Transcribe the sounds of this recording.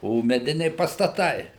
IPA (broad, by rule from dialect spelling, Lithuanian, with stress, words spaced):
oː mʲɛˈdʲɪnʲɛɪ pɐstɐˈtɐɪ